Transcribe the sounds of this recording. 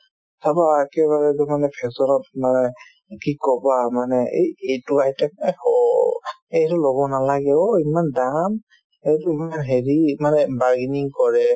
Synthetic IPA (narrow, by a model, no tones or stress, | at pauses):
tʰabaɛkɛbaɹɛdʊmanɛpʰɛksɔnɔtmanɛ | kikɔbamanɛḛjejtʊahitɛhɔ | ejtʊlɔbɔnalaɡɛɔimandam | ejtʊimanɦeɹimanɛbaɹɡiniŋkɔɹɛ